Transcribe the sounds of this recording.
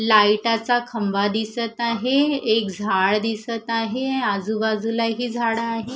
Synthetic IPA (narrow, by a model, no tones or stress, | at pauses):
laiʈat͡sakʰəmbad̪isət̪aɦeekd͡zʱaɭd̪isət̪aɦead͡zubad͡zulaɦiːd͡zʱaɽaːɦe